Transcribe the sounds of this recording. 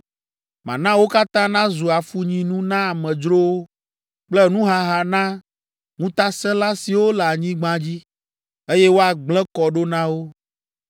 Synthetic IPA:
mã̰˨nã˦wo˦ka˦t̪ã˦nã˦zu˨a˨fu˦ɲĩ˨nũ˦nã˦a˨mɛ̃˨d͡ʒɾo˦wo˦ | k͡plɛ˦nũ˦ɦa˦ɦa˨nã˦ | ŋũ˦t̪a˦sɛ̃˦la˦si˨wo˦lɛ˨a˨ɲĩ˦ɡ͡bã˦d͡ʑi˦ | e˦jɛ˦wo˦a˨ɡ͡blɛ̃˦kɔ˨ɖo˦nã˦wo˦

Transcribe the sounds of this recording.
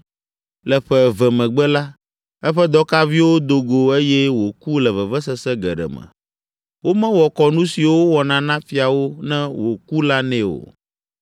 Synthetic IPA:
lɛ˨ɸɛ˦vɛ˨mɛ̃˨ɡ͡bɛ˦la˦ | ɛ˦ɸɛ˦d̪ɔ˦ka˦vi˦wo˦d̪o˨ɡo˨e˦jɛ˦wo˨ku˦lɛ˨vɛ˨vɛ˦sɛ˦sɛ˦ɡɛ̰˨ɖɛ̰˨mɛ̰̃˨ | wo˦mɛ̃˦wɔ˨kɔ˨nũ˦si˨wo˦wɔ˨nã˦nã˦fi˦a˨wo˦nɛ̃˦wo˨ku˦la˦nɛ̃˦o̰˨

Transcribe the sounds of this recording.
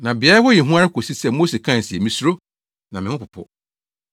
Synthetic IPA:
nã˨bɪ˨a˦hɔ˦jɛ˨ɦũ˦a˦ɾɪ˦kʰo˨si˦sɛ˦˨mo˦se˨kʰã˦˨n̩˨sɪ˨ɛ˨mĩ˦su˦ɾo˦ | nã˨mɪ̃˨hʊ̃˦pʊ˨pʰʊ̰˦

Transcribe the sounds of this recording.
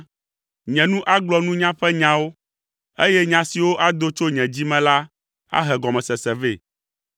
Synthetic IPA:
ɲɛ̃˨nũ˦ʔa˦ɡ͡blɔ˦nũ˦ɲã˦ɸɛ˦ɲã˨wo˦ | e˦jɛ˦ɲã˨si˨wo˦ʔa˦d̪o˦t͡ʃo˦ɲɛ̃˨d͡ʑi˦mɛ̃˨la˦ | a̰˦ɦɛ˨ɡɔ˨mɛ̃˨sɛ˨sɛ˨ve˦˨

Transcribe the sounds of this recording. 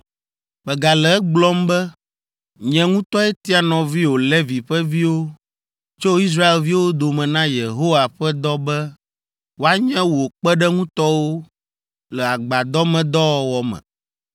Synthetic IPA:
ɸɛ˨ɡa˨lɛ˨˦ɡ͡blɔ˦mbɛ˦ | ɲɛ̃˨ŋũ˦t̪ɔ˦ɛ˦t̪i˦a˨nɔ̃˨vi˦wo˨lɛ˦vi˨ɸɛ˦vi˦wo˦ | t͡ʃo˦i˦s̬ɾa˦e˨lvi˦wo˦d̪o˨mɛ̃˨nã˦je˨ɦo˦wa˨ɸɛ˦d̪ɔ˦bɛ˦ | wo˦a˦ɲɛ̃˦wo˨k͡pɛ˦ɖɛ˦ŋũ˦t̪ɔ˦wo˦ | lɛ˨a˨ɡ͡ba˨d̪ɔ˦mɛ̃˨d̪ɔ˦wɔ˨wɔ˨mɛ̰̃˨

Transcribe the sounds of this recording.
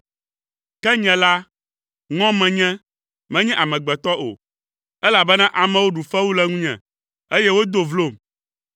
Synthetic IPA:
kɛ˦ɲɛ̃˨la˦ | ŋɔ̃˦mɛ̃˨ɲɛ̃˦ | mɛ̃˦ɲɛ̃˦ʔa˨mɛ̃˨ɡ͡bɛ˨t̪ɔ˦ʔo̰˨ | ɛ˦la˨bɛ˦nã˦ʔa˨mɛ̃˨wo˦ɖu˨fɛ˦wu˦lɛ˦ŋũ˦ɲɛ̰̃˨ | e˦jɛ˦wo˦d̪o˨vlo˦˨m

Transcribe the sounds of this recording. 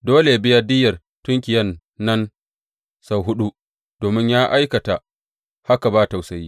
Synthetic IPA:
doː˦le˨bɪ˦jɐ˦dɪ˦jɐ˨r | tʊ˦ŋkʲɪ˨jɐ˦nː | ɐ˦n | sa˨wɦʊ˦ɗu˦ | d̥oː˨mɪ˦ɲjaː˦ʔa˦jkɐ˨ta˨ | ha˦ka˨baː˦ta˨wsa˨jiː˦

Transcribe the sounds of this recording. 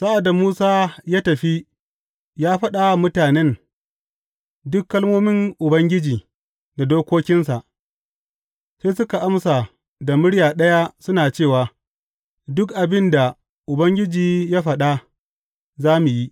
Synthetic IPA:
sa˦ʔa˨da˨muː˦saː˦jaː˦tɐ˨ɸi˦ | jaː˦ɸɐ˦ɗa˨mʊ˦taː˨nɛ˦n | dʊ˦kːɐ˦lmoː˦mɪ˦ŋʔʊ˨bɐ˦ŋɡʲɪ˦d͡ʒiː˨ | na˨doː˦kʷoː˦kʲɪ˦nsa˨ʔ | seː˦sʊ˦ka˨ʔa˦msa˨ | da˨mʊ˦ɽjaː˨ɗɐ˦ja˦sʊ˦naː˨t͡ʃeː˦˨waː˨ | dʊ˦kʔa˨bɪ˦nda˨ | ʔʊ˨bɐ˦ŋɡʲɪ˦d͡ʒiː˨jaː˦ɸɐ˨ɗa˦ | zaː˦mu˨ji˦ʔ

